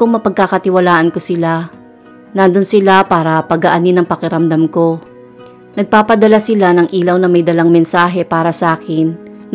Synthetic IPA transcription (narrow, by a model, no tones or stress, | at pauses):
kʊŋmɐpɐɡ̚kakɐt̪ɪwɐlaːʔɐnkosɪla | nand̪onsɪlapaːɾɐpɐɡɐʔɐnɪnɐŋpɐkɛɾɐmd̪amko̞ | nɐɡ̚paːpɐd̪ɐlasɪlanɐŋʔiːlɐwnɐmɐjd̪ɐlaŋmɛnsaːɦɛpaːɾɐsɐʔaːkɪnː